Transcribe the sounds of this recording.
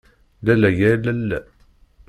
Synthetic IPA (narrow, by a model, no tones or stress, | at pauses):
lælæjælælːæ